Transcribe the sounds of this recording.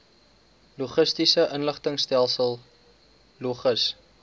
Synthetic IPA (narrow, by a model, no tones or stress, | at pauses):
luχəstisəʔənləχtəŋstælˠsəlˠ | luχəs